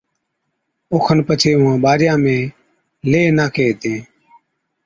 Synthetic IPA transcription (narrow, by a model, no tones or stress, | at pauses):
oːkʰənpət͡ʃʰeːʊãːɓaːɾjãːmẽː | leːnaːkeːt̪ẽː